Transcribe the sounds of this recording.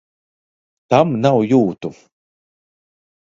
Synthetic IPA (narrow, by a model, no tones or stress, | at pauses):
t̪amnawjuːt̪uf